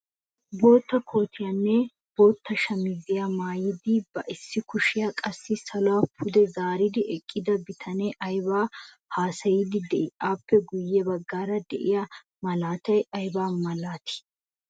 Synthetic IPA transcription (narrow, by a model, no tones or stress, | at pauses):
bo̞ːt̪ːɐkʰo̞ːt̪ʰɪjɐnːɛ | bo̞ːt̪ːɐʃɐmɪzɪjamaːjɪd̪ɪbɐʔɪsːɪkʊʃɪjɐkʼɐsːɪsɐlwapʰʊd̪ɛzaːɾɪd̪ɪʔɛkʼːɪd̪ɐbɪt̪ʰɐnɛʔɐjbaː | haːsɐjɪd̪ɪd̪ɛʔɪʔaːpːɛɡʊjːɛbɐɡːaːɾɐd̪ɛ̰ʔɪja | mɐlaːt̪ɐjɐjbaːmɐlaːt̪ɪ̥